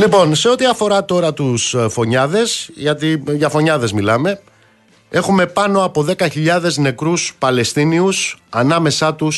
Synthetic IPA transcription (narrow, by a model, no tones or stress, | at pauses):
lipo̞nse̞o̞t̪iɐfo̞ɾɐt̪o̞ɾɐt̪usfo̞ɲɐðe̞sʝɐt̪iʝɐfo̞ɲɐðe̞zmilɐme̞ | e̞xume̞pɐno̞ɐpo̞ðe̞kɐçiʎɐðe̞zne̞kɾuspɐle̞st̪iniusɐnɐme̞sɐt̪us